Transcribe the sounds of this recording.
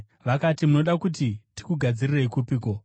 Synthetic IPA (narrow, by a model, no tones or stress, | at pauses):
ʋakatimuno̞ɗakut̬iti̥kuɡʱad͡zirire̞ikupiːko̞